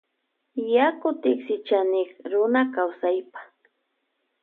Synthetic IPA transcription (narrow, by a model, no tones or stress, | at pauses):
jakʊt̪ɪksɪt͡ʃanɪkɾʊnakawsajpḁ